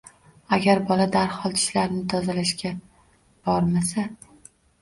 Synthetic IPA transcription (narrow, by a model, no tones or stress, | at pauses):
aɡʲaɾbɒlad̪aɾhɒlˠt̪ʰɪ̥ʃlaɾnɪt̪ʰɒzalaʃkʲa | b̥ɒɾmasa